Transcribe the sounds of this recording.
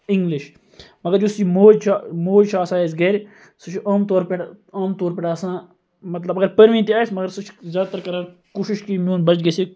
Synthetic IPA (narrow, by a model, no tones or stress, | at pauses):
ɪŋɡlɪʃ | mɐɡəɾd͡ʒʊsiːmoːd͡ʒt͡ʃʰamoːd͡ʒt͡ʃʰaːsaːesɡɐeɾ | sʊt͡ʃʰaːmt̪oːɾpeɽaːmt̪oːɾpeʈaːsãː | mɐt̪lɐbɐɡəɾpəɾʋĩːnt̪iaːsmɐɡəɾsʊt͡ʃʰzʲjaːd̪t̪ɐɾkɐɾãː | kuːʃɪʃkiːmjũːnbɐt͡ʃɡɐseː